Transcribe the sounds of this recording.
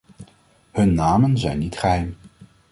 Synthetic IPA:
hɵnːaːmənzɛjnːitχəɦɛjm

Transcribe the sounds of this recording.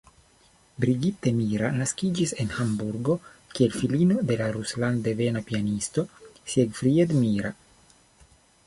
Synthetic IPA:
bɾiɡit̪e̞miɾanaskid͡ʒise̞nhambuɾɡo̞kielfilinod̪e̞laɾusland̪e̞ve̞napianist̪o̞sjeɡfɾied̪miɾa

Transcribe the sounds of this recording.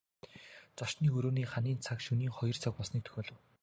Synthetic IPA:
t͡sɔʃniːɵɾoːniːχaniːnt͡sʰakʃɵniːŋχɔjɞ̆r̥t͡sʰak̚pɔɮsniːkt̪ʰɵ̥xʲeːɮɞ̆w

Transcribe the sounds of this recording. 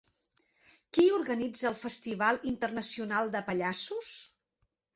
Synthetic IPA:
kiuɾɣənid͡zəːlˠfəst̪iβ̞alˠint̪ərnəsiunalˠd̪əpəʎasus

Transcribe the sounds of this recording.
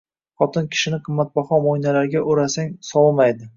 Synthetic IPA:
χɒt̪ʰɪnkʲʰɪ̥ʃɪnɪqʰɨmːat̪̚bɒχɒmojnalaɾɡʲaʔʊɾasaŋsɒlmajd̪ɪ

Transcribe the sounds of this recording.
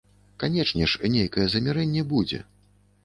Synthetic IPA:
kanʲɛt͡ʂnʲɛʂnʲejkɐjɛzɐmʲiɾɛnʲːɛbud͡zʲɛ̰

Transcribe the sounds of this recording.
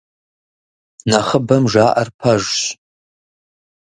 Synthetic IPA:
naχəbɐmʐaːʔɐrpʰaʒɕ

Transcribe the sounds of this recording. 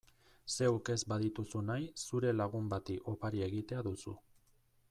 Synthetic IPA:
se̞wke̞zbaðit̪usunajsuɾe̞laɣ̞umbat̪iʔo̞paɾie̞ɣit̪eaðusṵ

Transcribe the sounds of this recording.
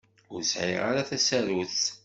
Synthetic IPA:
ʊɾsʕiʁa̰ɾaθæsæɾuθ

